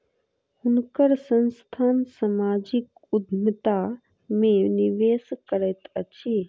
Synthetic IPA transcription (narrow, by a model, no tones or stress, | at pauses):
hunkəɾsə̃nst̪ʰansəmad͡ʒik | ud̪ʱmət̪a | mẽniʋeskəɾəjt̪ət͡ʃʰi